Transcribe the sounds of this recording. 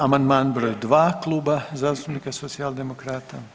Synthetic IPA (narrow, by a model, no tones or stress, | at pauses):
amand̪manbɾojd̪ʋaːklˠubazaːst̪unikasot̪sialˠd̪emokɾaːt̪a